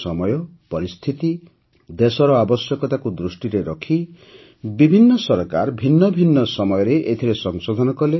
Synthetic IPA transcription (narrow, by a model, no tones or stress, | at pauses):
sɔmɔjɔpɔɾist̪ʰit̪i | d̪esɔɾɔabɔsjɔkɔt̪akud̪ɾusʈiɾeɾɔkʰi | bibʱinːɔsɔɾkaɾbʱinːɔbʱinːɔsɔmɔjɔɾeʔet̪ʰiɾesɔŋsod̪ʱɔnɔkɔle